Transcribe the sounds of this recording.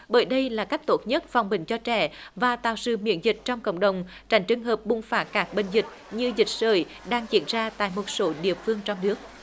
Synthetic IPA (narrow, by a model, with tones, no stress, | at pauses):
ɓəː˧˦jɗə˧jlaː˨˩ka˦˥jk̟̚t̪o˦˥t̚ɲə˦˥t̚fa˨˩wŋ͡mɓï˨˩ŋ̟t͡ɕɔ˧t͡ɕɛ̰˧˩vaː˨˩t̪aː˧˨˩wsɨ̰˧˩mḭ˧˥ənzï˨˩k̟̚t͡ɕɔ˧wŋ͡mkə̰˧˨wŋ͡mɗə˨˩wŋ͡m | t͡ɕa˨˧˩jŋ̟t͡ɕɨ˧ŋɦəː˨˩p̚ɓʊ˧˩ŋ͡mfaː˨˦˥t̚kaː˦˥k̚ɓe˧˩n̟zï˨˩k̟̚ | ɲɨ˧zï˨˩k̚zəː˧˩j | ɗaː˧ŋt͡ɕḭ˧˨ənzaː˧t̪a̰ː˧˨jmo˨˩t̚so˨˦ɗḭ˧˨əfɨ˧əŋt͡ɕɔ˧wŋ͡mnɨ˦˥ək̚